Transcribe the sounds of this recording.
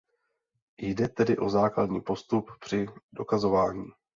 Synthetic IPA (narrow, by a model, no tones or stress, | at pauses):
jdɛt̪ɛdɪʔo̞zaːkladɲiːpo̞st̪uppr̝̥ɪdo̞kazo̞vaːɲiː